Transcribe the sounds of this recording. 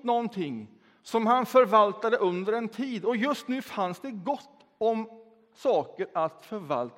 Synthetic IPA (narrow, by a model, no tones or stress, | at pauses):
nɔnt̪ʰɪŋː | sɔmhanfœɾvalt̪ad̪əʔɵnd̪əɾɛnt̪ʰiːd̪ɔjɵst̪nʉ̟ːfansd̪ɛɡɔt̪ː | ɔm | sɑːkəɾat̪fœɾva̰lt̪